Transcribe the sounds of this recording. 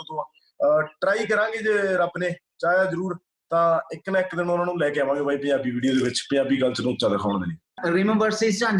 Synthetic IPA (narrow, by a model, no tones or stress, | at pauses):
t̪õ | ʈɾaːiːkəɾãːŋɡeːd͡ʒeːɾapneːt͡ʃaːjaːzəɾuːɾ | t̪ãːɪknaːɪkd̪ɪnʊnãːnũːlɛːkeːaʋãːŋɡeːbʱaːiːpə̃d͡ʒaːbiːʋiːɖioːd̪eːʋɪt͡ʃpə̃aːbiːɡəlt͡ʃənõːt͡ʃãːd̪əkʰaːɳ̃d̪eːnẽː | ɾimɛ̃mbəɾseːst͡ʃãn